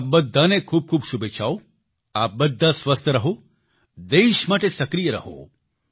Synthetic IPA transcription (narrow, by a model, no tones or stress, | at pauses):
p̚bəd̪ʱːanekʰuːb̚kʰuːbsubet͡ʃʰaːo | aːp̚bəd̪ʱːasʋɐst̪ʰəɾɐɦo | d̪eːʃmaːʈesɐkɾijəɾɐ̰ɦo̰ː